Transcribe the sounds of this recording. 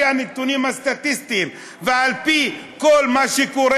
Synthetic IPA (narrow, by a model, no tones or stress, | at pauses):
anit̪ːunimast̪at̪ist̪im | vɪʕalpi | kolːmaʃikuɾ